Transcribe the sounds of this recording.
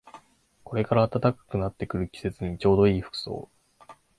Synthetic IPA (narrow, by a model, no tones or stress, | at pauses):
ko̞ɾe̞kaɾaːt̪at̪akḁkɯ̟nat̪ːe̞kɯ̟ɾɯ̟kʲi̥se̞t͡sɨɲ̟it͡ɕo̞ːd̪o̞iːɸɯ̥kɯ̟̥so̞̰ː